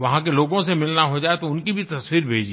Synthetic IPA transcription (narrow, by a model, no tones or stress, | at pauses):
ʋɐɦãkeloːɡõsemɪlnaɦod͡ʒaːet̪oʊnkibʱit̪ɐswiːɾbʱeːd͡ʒi